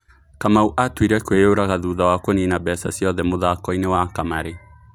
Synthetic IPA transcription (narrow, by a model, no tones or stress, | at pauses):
kamauʔatwiɾɛkwejoɾaɣaðuːðawakoninabɛsa̰sjɔðɛmoðakɔinewakamaɾe